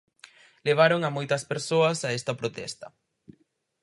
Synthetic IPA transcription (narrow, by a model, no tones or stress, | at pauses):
leβ̞aɾoŋɐmojt̪ɐspeɾsoɐsaɛst̪ɐpɾot̪ɛ̰st̪ɐ